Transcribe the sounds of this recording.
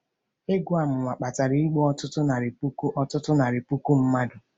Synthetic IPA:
e˦ɡu˦a˨mʊ˨ŋʷa˨k͡pa˨ta˨ɾi˦i˦ɡ͡bɔ˦ɔ˦tʊ˦tʊ˦na˨ɾi˨pu˦ku˦ʔɔ˦tʊ˦tʊ˦na˨ɾi˨pu˦ku˦m̩˦ma˦dʊ˨

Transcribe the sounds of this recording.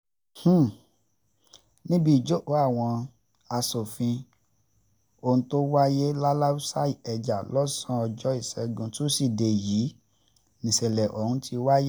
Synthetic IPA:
h̩˦˨ | nĩ˦bi˦˨d͡ʒo˦o˨˦a˦˨w̃ɔ̃˧ | a˧so˨fĩ˧ | o˧˨ũ˧to˦wa˦je˦la˦la˦u˦sa˦i˨ɛ˨d͡ʒa˨lɔ˦sã˦ɔ˧d͡ʒɔ˦i˦˨sɛ˨˦ɡũ˧tu˦si˦˨de˨ji˨˦ | nĩ˨se˨lɛ˨ʔɔ˨hũ˧˦ti˧wa˦je˦

